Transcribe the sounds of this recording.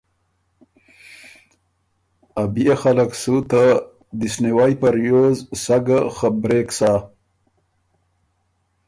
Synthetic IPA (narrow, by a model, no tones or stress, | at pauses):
abijexalaksut̪a | d̪isniwaːjpaɾjoːzsaɡaxəbɾeːksaː